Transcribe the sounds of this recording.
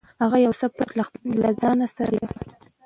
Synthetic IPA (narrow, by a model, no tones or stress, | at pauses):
haɣajawsapaɾlalazɑnasaɾajaxi